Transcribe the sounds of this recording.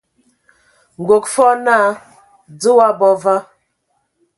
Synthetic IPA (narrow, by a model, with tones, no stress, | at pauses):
ŋ̩˨ɡo˨kfɔ˦na˦˨ | d͡zə˦wa˦bɔ˦va˦